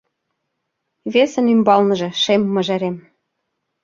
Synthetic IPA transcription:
βesə̆nymbɑlnɤ̆ʒɤ̆ʃemːɤ̆ʒeɾem

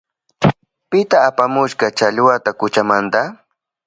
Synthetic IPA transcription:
pɪt̪aːpamʊʃɢɑt͡ʃaʎwat̪akʊt͡ʃamant̪a

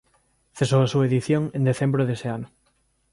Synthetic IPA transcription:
θesoasuaeðiθjõŋẽnd̪eθembɾoðeseanʊ

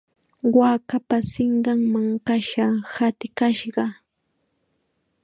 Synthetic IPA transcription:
wakapasɪɴɢɑŋmaŋkaʃahat̪ɪkaʃɢɑ

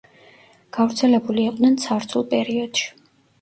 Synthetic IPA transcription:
ɡ̥avɾt̪sʰɛlɛbuliːqʼd̪nɛnt̪sʰaɾt̪sʰulˠpʼɛɾiɔd̪̥ʃi̥

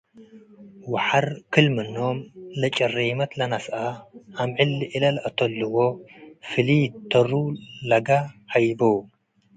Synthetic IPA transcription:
waħaɾkʰɨlmɨnomlɐt͡ʃʼɐrimɐt̪lɐnasʔaʔamʕɨlːʔilɐlʔɐt̪ʰɐlːuwofɨlit̪ʰːɐɾulaɡahajbow

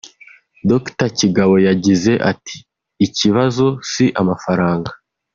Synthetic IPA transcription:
doktaciɡaβo̞jaɟize̞ʔati̥ː | ciβazo̞siʔamafaɾaːŋɡa

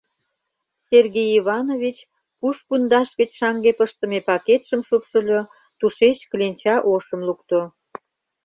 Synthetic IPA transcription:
serɣejiβɑnoβʲit͡ɕ | puʃpund̪ɑʃɣət͡ɕʃɑŋɡepəʃt̪ə̆mepɑket̪ʃəmʃupʃəlʲo | t̪uʃet͡ɕklʲenʲt͡ɕɑʔoʃə̆mlukt̪o

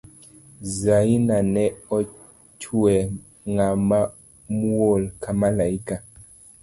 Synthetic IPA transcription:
zainanɛɔ | t͡ʃwɛ | ŋama | muolkamalaika

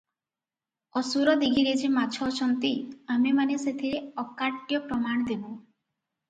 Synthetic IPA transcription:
ɔsuɾɔd̪iɡiɾed͡ʒimat͡ʃʰɔt͡ʃʰɔnt̪iamimaneset̪ʰiɾeɔkaʈːjɔpɾɔmaɽ̃ɔd̪ebu

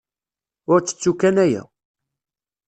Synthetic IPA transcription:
ʊɾt͡sːə̥t͡sːukːænæjæ̰

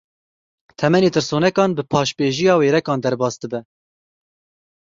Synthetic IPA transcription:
t̪ʰɛmɛneːt̪ɨɾsoːnɛkɑːnbɨpʰɑːʃbeːʒijɑːweːɾɛkɑːnd̪ɛɾbɑːsd̪ɨbɛ

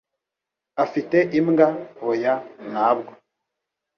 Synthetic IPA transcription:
afiteʔimŋɡahojanaːbɡo

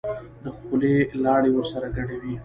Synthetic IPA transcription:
d̪əxulelɑɽewəɾsaɾaɡaɽawi

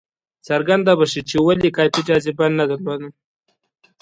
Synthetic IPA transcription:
t͡saɾɡand̪abaʃit͡ʃewalikɑpid͡ʒɑzibannad̪əɾlod̪əm

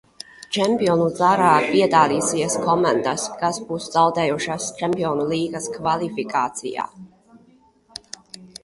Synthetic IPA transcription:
t͡ʃɛmpiɔnuzaɾaːpiɛd̪aːliːsiɛskɔmand̪askasbuːsz̥awd̪ɛːjuʃast͡ʃɛmpiɔnulˠiːɡaskvalifikaːt̪sḭja̰ː

